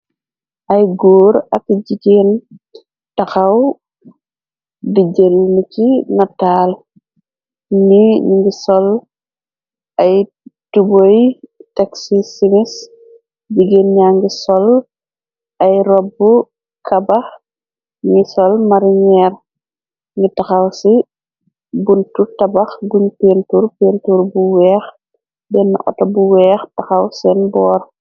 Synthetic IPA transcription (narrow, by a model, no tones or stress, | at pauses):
ʔɐjɡuːɾɐkɟiceːn | taxaw | diɟelnicinataːl | niɲiŋɡisɔl | ɐj | tubojteksisimis | biɡenɲaŋɡisɔl | ʔɐjɾɔbːu | kʰɐbɐx | ŋisɔlmaɾiɲɛːɾ | ŋitɐxɐwsi | buntutɐbɐxɡuɲpentuɾpeːntuɾbuwɛːx | bɛnːa̰ʔɔ̰tɔbuwɛːxtɐxɐwsɛnbɔːr